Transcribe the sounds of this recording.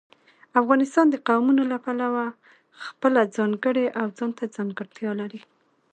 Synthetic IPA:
afɣɑnɪst̪ɑnd̪əqawmunolapalawa | xpəlad͡zɑŋɡəɽeʔawd͡zɑnt̪ad͡zɑŋɡəɾt̪jɑlaɾi

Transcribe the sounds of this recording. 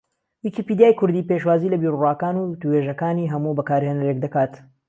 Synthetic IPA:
wikipiːd̪ijaːjkʰʊɾd̪iːpeʃwaːziːlɐbiːɾurwaːkaːnuʊt̪uheːʒɐkaːniːɦɐmubɐkaːɾhenɐɾek̚d̪ɐkaːt̪

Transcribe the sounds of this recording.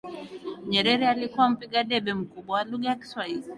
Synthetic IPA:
ɲɛɾɛɾɛalikuwam̩piɠaɗɛɓɛm̩kuɓwawaluɠajaki̥swahili

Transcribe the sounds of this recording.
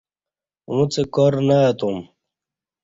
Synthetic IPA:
wũt͡sekɔɾnaːt̪um

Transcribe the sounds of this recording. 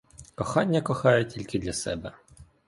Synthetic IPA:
kɔxɑnʲːɐkɔxɑjɛtʲilʲkɪd̪lʲɐsɛ̰bɛ

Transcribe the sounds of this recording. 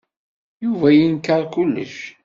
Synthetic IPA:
juvæjinkaɾˤkʊlːə̰ʃ

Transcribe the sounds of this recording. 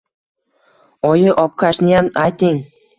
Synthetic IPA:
ɒjɪʔɒp̚kʰaʃnɪjamajt̪ɪŋ

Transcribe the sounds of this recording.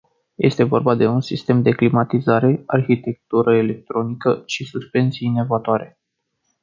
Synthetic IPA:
jʔe̞̰st̪e̞vo̞̰rbad̪e̞unsist̪e̞md̪e̞klimat̪izaɾe̞arçit̪e̞k̚t̪uɾəele̞k̚t̪ɾo̞nikəʃisuspe̞nt̪siinevat̪oaɾe̞

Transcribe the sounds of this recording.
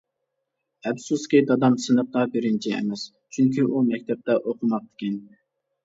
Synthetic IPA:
ɛbsuskʲid̪ɑd̪ɑmsɨnəq̚d̪ɑbeɾɪnt͡ʃʰiɛ̰mɛs | t͡ʃʰyŋkʲʰiʔumɛkʲt̪ʰɛp̚t̪ɛʔoqʊmɑq̚d̪ɪ̥kʲʰɛn

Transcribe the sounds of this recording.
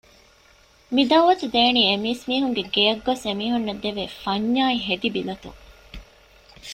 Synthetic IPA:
mid̪ɐʋɐsud̪eːniːemiːsmiːɦuŋɡeɡejɐɡːosemiːɦunːɐd̪eʋeːfɐɲːaːiɦed̪ibilɐt̪ṵŋ

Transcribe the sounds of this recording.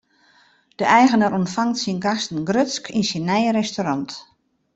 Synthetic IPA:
d̥əʔɛjɣənəɾɔntfaŋtsinɡastən̩ɡrøtskʰinsinːɛjəɾɛstoɾɑnt

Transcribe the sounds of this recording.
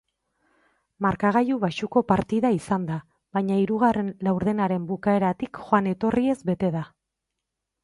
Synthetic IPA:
maɾkaɣ̞ajuβaʃuko̞paɾt̪iðaisand̪a | βajɲaiɾuɣare̞nlawɾðe̞naɾe̞mbukae̞ɾat̪ikxoane̞t̪o̞rie̞zbe̞t̪e̞ða

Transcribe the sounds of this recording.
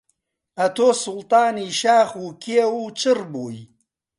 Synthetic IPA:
ɐt̪ʰoːsʊlt̪ɑːniːʃaːxuːkʰewuːt͡ʃʰɨrboːj

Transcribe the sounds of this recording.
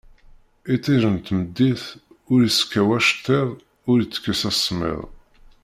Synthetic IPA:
it͡sːiʒənt̪məd̪ːiθ | ʊɾjiskːæwæʃt̪ːɪðˤ | ʊɾjit͡sːə̥kːæsæsːmɪ̰ðˤ

